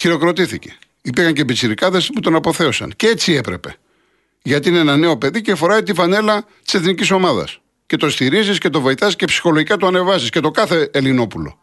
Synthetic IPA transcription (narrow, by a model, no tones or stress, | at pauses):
çiɾo̞kɾo̞t̪iθice̞̥ | ipiɾxɐɲcebit͡siɾikɐðe̞sput̪o̞nɐpo̞θe̞o̞sɐ̰nceet͡sie̞pɾe̞pe̞̰ | ʝɐt̪iineenɐne̞o̞pe̞ðicefo̞ɾɐjt̪ifɐne̞lɐ | t̪i̥se̞θniciso̞mɐðɐ̰s | ce̞t̪o̞st̪iɾizisce̞t̪o̞vo̞it̪ɐziscepsi̥xo̞lo̞ʝikɐt̪uɐne̞vɐsisce̞t̪o̞kɐθe̞ːlino̞pulo̞̰